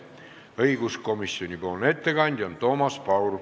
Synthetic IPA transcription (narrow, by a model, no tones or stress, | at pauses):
ɤiɡusko̞misːjonʲipoːlnet̪ːekɑnʲd̪̥ʲont̪o̞mɑspɑwru